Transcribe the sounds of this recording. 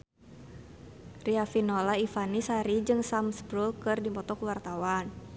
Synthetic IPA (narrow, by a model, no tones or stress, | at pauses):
riafinɔlaifanisaɾid͡ʒɨŋsamsbɾulkɨrdipɔt̪ɔkuwart̪awan